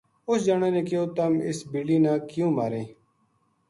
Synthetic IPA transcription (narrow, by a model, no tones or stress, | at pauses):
ʊsd͡ʒaːɳẽːnẽːkɪjoːt̪əmɪsbiliːnãːkjũːmaːɾẽː